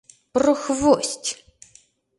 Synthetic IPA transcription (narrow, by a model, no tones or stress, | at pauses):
prɔxvostʲ